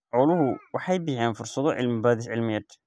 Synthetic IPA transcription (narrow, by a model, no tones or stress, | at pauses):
ʕɔlʊɦʊwɑħɑjbɪjaːnfʊrsɐðɔʕɪ̰lmbad̪ɪʕɪlmɪjɐd̪